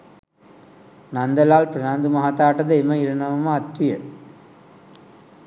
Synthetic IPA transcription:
nɐnd̪ɐlaːlpɾɐðaːnd̪ɯmɐɦat̪ːaːʈːɐðɐɪmɐɪɾɐnɐʋɐmaːɐt̪ʋɪjɐ

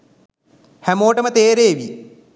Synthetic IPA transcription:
hæmoːʈəmət̪eːɾeːʋḭ

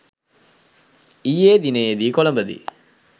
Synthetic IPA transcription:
ijeːd̪ineed̪iːkolɐmbəd̪ḭ

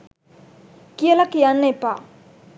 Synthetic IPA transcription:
kielakijanːepa̰

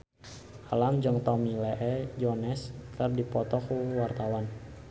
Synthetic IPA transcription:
ʔalamd͡ʒəŋt̪ɔmilɛʔɛd͡ʒɔnɛskərdipɔt̪ɔkuwart̪awan

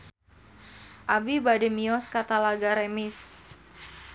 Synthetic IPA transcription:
ʔabibadɛmiɔskat̪alaɡaɾemɪs

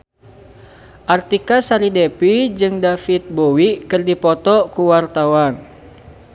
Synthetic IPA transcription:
ʔart̪ikasaɾidɛpid͡ʒɨŋdafit̪̚bowikɨrdipɔt̪ɔkuwart̪awan

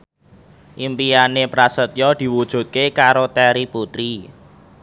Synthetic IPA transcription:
ʔimpijanepɾasət̪jɔd̪̥i̤wud̥ʒ̥ṳt̪̚kekaɾot̪ɛɾiput̪ɾi

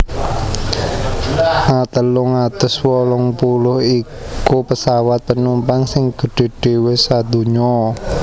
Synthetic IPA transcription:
ʔat̪əlʊŋad̪̥ə̤swɔlɔŋpulʊhi | kupəsawat̪̚pənumpaŋsɪŋɡ̥ə̤ɖ̥e̤ɖ̥e̤wɪsad̪ṳɲɔ

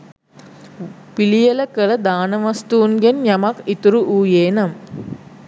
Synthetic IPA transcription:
pilijɐlɐkɐɭɐd̪aːnɐʋɐst̪uːnɡenjɐmɐkit̪uɾuʔuːjeːnɐm

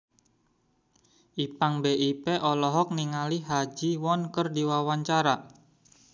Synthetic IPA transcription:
ʔipaŋbeʔipeʔɔlɔɦɔk̚niŋaliɦad͡ʒiwɔnkərdiwawaɲt͡ʃaɾa

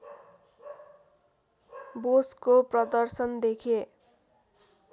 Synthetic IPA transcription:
boskoprʌd̪ʌrsʌnd̪ekʰe

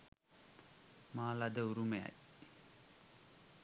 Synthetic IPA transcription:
maːlad̪əuɾumeja̰j

